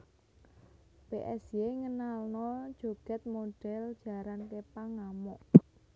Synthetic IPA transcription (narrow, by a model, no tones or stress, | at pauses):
peʔɛsjeŋənalnɔd̥ʒ̥o̤ɡ̥ɛ̤t̪̚moɖ̥ɛ̤ld̥ʒ̥ä̤ɾank̪epaŋːamɔʔ